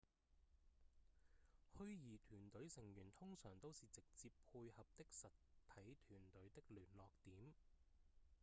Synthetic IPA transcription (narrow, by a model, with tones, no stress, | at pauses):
hɵ˥ɥjiː˨˩t̪ʰyː˨˩nt̪ɵ˨˥ɥsɪ˨˩ŋjyː˨˩nt̪ʰʊ˥ŋsœː˨˩ŋt̪o˥wsiː˨t͡sɪ˨k̚t͡siː˧pʰːuː˧jhɐ˨p̚t̪ɪ˥k̚sɐ˨tt̪ʰɐ˨˥jt̪ʰyː˨˩nt̪ɵ˨˥ɥt̪ɪ˥k̚lyː˨˩nlɔː˨k̚t̪iː˨˥m